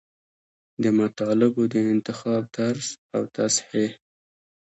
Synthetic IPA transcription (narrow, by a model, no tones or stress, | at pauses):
d̪əmat̪ɑlɪbod̪əɪnt̪ɪxɑb̚t̪aɾzawt̪asħe